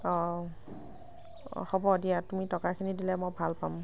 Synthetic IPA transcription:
ɔ | xɔbɔdijatumitɔkakʰinidilɛmɔjbʱalpam

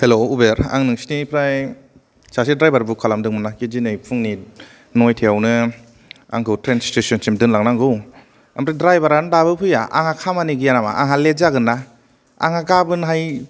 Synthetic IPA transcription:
heloubeɾa̰ŋnɯŋsi̥nipʰɾaj | sasidɾajbaɾbukʰalamdɯŋmɯnakid͡ʒinɯjpʰuŋni | nojtʰeawnɯ | a̰ŋkʰɯwtɾenstesɔnsimdɯnlaŋ̚naŋɡɯw | ampɾadɾajbaɾandabɯpʰɯja̰ʔa̰ŋakʰamaniɡijanama̰ʔaŋɦalezaɡɯnːa | a̰ŋaɡabɯnɦaj

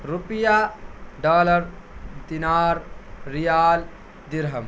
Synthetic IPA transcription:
ɾupijaːɖaːlɐɾd̪inaːɾːijaːl | d̪iɾɦɐm

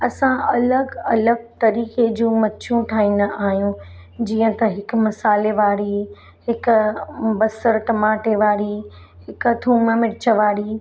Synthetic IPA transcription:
ɐsãʔɐləɡɐləɡ̚t̪ɐɾiːked͡ʑũːmɐtːʃʰjũʈʰaːɦĩːnəaːɦijũd͡ʑiːə̃t̪ɐɦɪk̆mɐsaːleʋaːɽi | hɪkʊbɐsəɾʈɐmaːʈeʋaːɽi | hɪkt̪ʰuːməmɪɽɪt͡ɕəʋaːɽiː

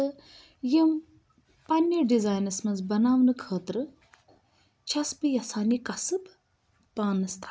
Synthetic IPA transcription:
ɨ | jim | pɐnjɐɖizaːjnɐsmɐnzbɐnaːʋnɨkʰəːt̪ɾɨ | t͡ʃʰɐsbɨjɐsaːnikɐsɨb | paːnɨst̪ʰː

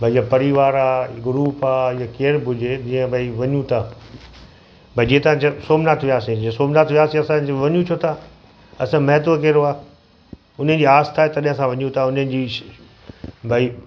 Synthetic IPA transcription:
bʱaiijapɐɾiʋaːɾaːɡʊɾuːpaːɪjakeːɾbʱʊd͡ʑʱed͡ʑĩːə̃bʱaiʋɐɲũt̪ʰaː | bʱaid͡ʑiːt̪ɐãt͡ɕsoːmnat̪ʰʋijaːsẽd͡ʑiə̃soːmnat̪ʰʋjaːsẽɐsãoʋɐɲũt͡ɕʰot̪ʰa | ɐsãmɐɦt̪̬okeːɾoaː | ʊnənɪ̆d͡ʑiːaːst̪ʰaːɦet̪ɐɗɦɪ̃sãʋɐɲũt̪ʰaʊnənɪ̆d͡ʑiː | bʱai

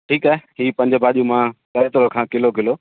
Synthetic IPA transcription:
ʈʰiːkaːɦeɦiːpɐ̃ɲd͡ʑəbʱaːʄiumãkɐɾet̪ʊɾokʰãːkɪlokɪloː

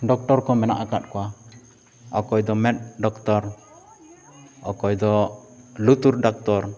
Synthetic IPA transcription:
ɖɔk̚ʈɔɾkɔmɛna̰ʔakat̪̚kɔwa | ɔ̰kɔjd̪ɔmɛt̪̚ɖɔkt̪ɔɾ | ɔkɔjd̪ɔlut̪uɾɖɔk̚t̪ɔɾ

